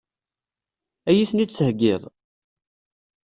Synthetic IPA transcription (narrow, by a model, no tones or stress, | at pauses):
æjiθnid̪t͡səhɡːɪðˤ